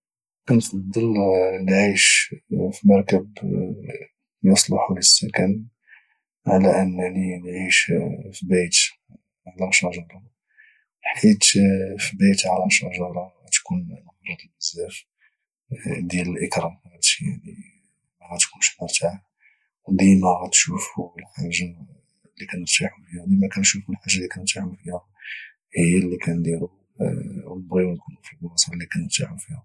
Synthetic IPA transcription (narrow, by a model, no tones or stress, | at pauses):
ʔænfɑd̪ˤːəllʕiʃfimɑɾˤkəb | jusˤlɑħuləsːækæni | ʕalæʔənːlinʕiʃfibæjt̪ | ʕalæmʃɑʒɑɾˤɑ | lħit̪fibæjt̪ʕalɑmʃɑʒɑɾˤɑ | t̪kunməfɾˤɑd̪ˤbəzːæf | d̪jæləlʔəkɾˤɑmæt̪ja̰ʕni | mæɣæt̪kunʃmʊɾt̪ʰa | d̪imæɣæt̪ʃufulħaʒːa | likænəɾt̪aħufihæd̪imækænʃufulħaʒːalikænəɾt̪ːaħufihæ | həjːælːikænd̪iɾu | wəlbɣiwænkunufilblɑsˤɑlːikænəɾt̪ːaħufihæ